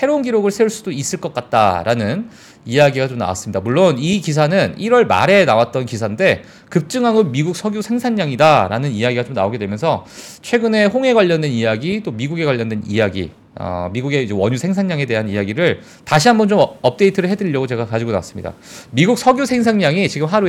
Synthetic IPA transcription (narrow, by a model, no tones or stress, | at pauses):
sʰe̞ɾounɡiɾoɡɯɭsʰeuɭs͈udois͈ɯɭk͈ʌk͈at̚t͈a̰ɾanɯn | ijaɡiɡat͡ɕomna̰wa̰s͈ɯmɲidamuɭːonikis̬ʰanɯniɾwʌɭma̰ɾe̞nawat̚t͈ʌnkisʰande̞ | kɯp̚t͡ɕ͈ɯŋɦaŋonmiɡuk̚s͈ʰʌɡjosʰe̞ŋsʰaŋɲaŋidaɾa̰nɯnijaɡiɡat͡ɕomnaoɡedwe̞mjʌnsʰʌt͡ɕʰwe̞ɡɯne̞ɦoŋe̞ɡwaʎːʌndwenijaɡit͈omiɡuɡe̞ɡwaʎjːʌndwe̞nḭjaɡḭ | ʌ̰miɡuɡe̞id͡ʑewʌɲusʰe̞ŋsʰaŋɲaŋe̞de̞ɦanijaɡiɾɯɭ | taɕʰiɦambʌnt͡ɕomʌp̚t͈e̞itʰɯɾɯɭɦe̞dɯʎːʌɡot͡ɕe̞ɡakad͡ʑiɡona̰wa̰s͈ɯ̥mɲḭda̰ | miɡuk̚sʰʌɡjosʰe̞ŋsʰaŋɲaŋit͡ɕiɡɯmɦaɾu